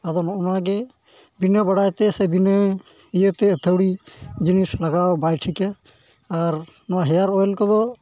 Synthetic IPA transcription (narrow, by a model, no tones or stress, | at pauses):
ad̪ɔnɔʔɔnaɡɛ | binəbaɽajt̪ɛsɛbinə | ijət̪ɛət̪ʰəwɽid͡ʒinislaɡawbajʈʰikɛ | aɾ | nɔwaɦɛjaɾɔjlkɔd̪ɔ